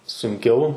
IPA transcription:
sʊŋʲˈkʲɛʊ

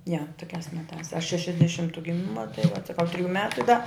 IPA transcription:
jɛ toːˈkʲæːs ˈmʲæːtɑːs ɐʃ ʃʲɛʃʲɛzʲdʲɛˈʃʲɪmtʊ ɡʲɪˈmʲɪmɐ tɐɪ ʋɐt sɐˈkɐʊ tʲrʲɪˈjuː ˈmʲæːtʊ ɪ dɐ

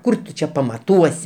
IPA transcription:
ˈkʊr tʊ ˈt͡ʃʲɛ pɐmɐˈtuɔsʲɪ

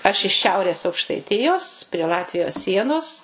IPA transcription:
ɐʃ ɪʃ ˈʃʲɛʊrʲeːs ɐʊkʃtɐɪˈtʲɪjoːs pʲrʲiɛ ˈlˠɑːtʲʋʲɪjoːs ˈsʲiɛnoːs

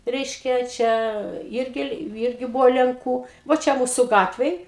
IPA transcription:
ˈrʲɛɪʃʲkʲɛ ˈt͡ʃʲɛ ˈɪrʲɡʲɪ ˈɪrʲɡʲɪ ˈbʊʋoː lʲɛŋˈkuː ʋoː ˈt͡ʃʲɛ ˈmuːsʊ ˈɡɑːtʲʋʲeːj

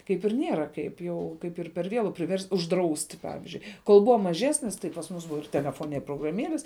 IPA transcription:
ˈkɐɪp ɪr ˈnʲeːrɐ kɐɪp ˈjɛʊ ˈkɐɪp ɪr pʲɛr ˈʋʲeːlˠʊ pʲrʲɪˈʋʲɛrʲsʲtʲ ʊʒˈdrɐʊsʲtʲɪ ˈpɑːʋʲɪzʲd͡ʒʲʊɪ koːlˠ ˈbʊʋɐ mɐˈʒʲæːsʲnʲɪs tɐɪ pɐs ˈmʊs ˈbʊʋɐ ɪr tʲɛlʲɛˈfoːnʲɛ ɪr proːɡrɐˈmʲiɛlʲɪs

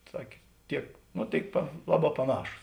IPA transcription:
ˈsɑːkʲeː ˈtʲiɛk ˈnoː ˈtʲeːɪk pɐ ˈlˠɑːˌbɑː pɐˈnɑːʃuːs

